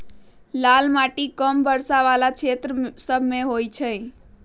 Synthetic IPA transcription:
lalmaʈikəmbəɾsaʋalat͡ʃʰet̪ɾəsəbʱmeɦojt͡ʃʰə̃

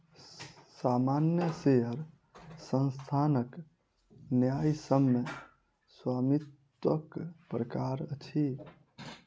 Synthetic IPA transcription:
samanjəseɦəɾ | sə̃nst̪ʰanək | njajsəmːe | swaːmit̪ | ʋəkpɾəkaɾət͡ʃʰi

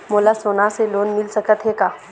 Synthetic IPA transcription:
moːlasoːnaseloːnmɪlsɐkət̪ɦeːɡaː

